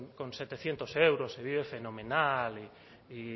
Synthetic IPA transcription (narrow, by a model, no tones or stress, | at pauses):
konset̪eθjent̪osewɾoseβiβefenomenali | i